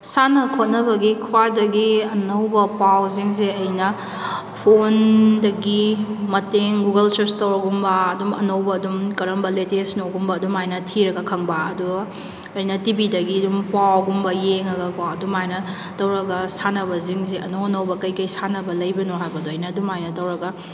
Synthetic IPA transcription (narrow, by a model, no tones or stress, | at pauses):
sanɐkʰot̚nɐbɐɡikʰwadɐɡiɐnɐwbɐpawziŋzeɐjnɐ | pʰondɐɡimɐteŋɡuɡɐlsɐstɐwɾɐɡumbɐːdumɐnɐwbɐːdumkɐɾɐmbɐletesnoɡumbɐːdumajnɐtʰiɾɐɡɐkʰɐŋbaɐdu | ɐjnɐtibidɐɡidumpawɡumbɐjeŋɾɐɡɐkʰwaɐdumajnɐ | tɐwɾɐɡɐsanɐbɐziŋzeʔɐnɐwɐnɐwbɐkɐjkɐjsanɐbɐlɐjbɐnoɦajbɐduɐjnɐːdumajnɐtɐwɾɐɡɐ